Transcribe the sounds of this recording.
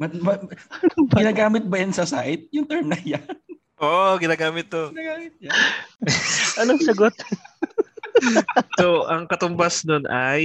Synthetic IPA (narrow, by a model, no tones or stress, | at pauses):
mɐmɐ | ɡɪnaːɡaːmɪt̪̚bɐjɐnsɐsa̰ʔɪt̪̚jʊŋt̪ɛɹmnɐjan | ʔoːʔoɡɪnaːɡaːmɪt̪̚ːoɪnaːɡaːmɪt̪̚jɐ | ʔɐnoŋsɐɡot̪̚ | soʔɐŋkɐt̪ʊmbasnonʔaj